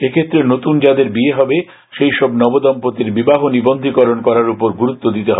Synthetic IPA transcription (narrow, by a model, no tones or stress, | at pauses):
ekʰet̪ːɾenot̪und͡ʑad̪eɾbieɦɔbe | ʃejʃɔbnɔbod̪ɔmpot̪iɾbibaɦonibond̪ʱikɔɾonkɔɾaɾupoɾɡuɾut̪ːod̪it̪eɦɔ̰be